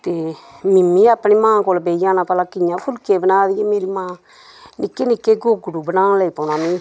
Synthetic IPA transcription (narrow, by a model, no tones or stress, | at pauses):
t̪eːmɪmːĩːaːpːniːmãːkoːlbeːijãːnãːpəlaːkɪɲãːpʰʊlkeːbənaːd̪ijeːmeːɾiːmãː | nɪkːeːnɪkːeːɡoːɡɽuːbənãːnləipənãːmĩː